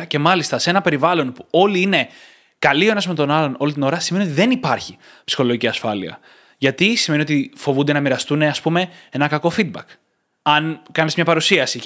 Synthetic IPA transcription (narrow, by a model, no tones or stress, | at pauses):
ce̞mɐlist̪ɐse̞nɐpe̞ɾivɐlo̞npuo̞liine̞ | kɐlioenɐsmet̪o̞nɐlo̞no̞lit̪ino̞ɾɐsimnio̞t̪iðe̞nipɐɾçi | psi̥xo̞lo̞jʝiciɐsfɐliɐ̰ | ʝɐt̪isime̞nio̞t̪ifo̞vund̪enɐmiɾɐst̪une̞ɐspume̞e̞nɐkɐko̞fid̪̚bɐk | ɐnkɐnezmɲɐpɐɾusiɐsi